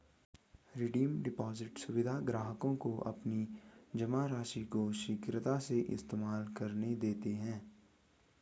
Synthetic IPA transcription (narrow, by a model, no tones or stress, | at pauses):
ɾɪɖiːmɖɪpɔːzɪʈsʊʋɪd̪ʱaɡɾaːɦəkõkoʔɐ̰pnid͡ʒɐmaɾaːʃikoʃɪkɾət̪aseʔɪ̰st̪eːmaːlkɐɾned̪eːt̪eɦɛ̃ː